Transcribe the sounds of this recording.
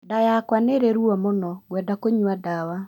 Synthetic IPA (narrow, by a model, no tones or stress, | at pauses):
dajakwaneɾeɾuɔmonɔɣwɛdakoɲwadawa